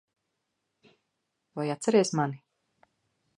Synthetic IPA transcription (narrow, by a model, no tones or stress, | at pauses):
vajat̪sɛɾiɛsmani